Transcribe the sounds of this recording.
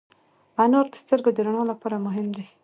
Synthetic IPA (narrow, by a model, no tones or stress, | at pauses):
anoɾd̪ə̥st̪əɾɡod̪əɾaɳolapɑɾamʊɦɪmd̪e